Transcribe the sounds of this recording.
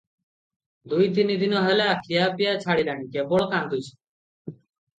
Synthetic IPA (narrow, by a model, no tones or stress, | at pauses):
d̪ujt̪inid̪inɔɦɔlaakʰijapijat͡ɕʰaɽilañikebɔɭɔkand̪ujt͡ɕʰi̥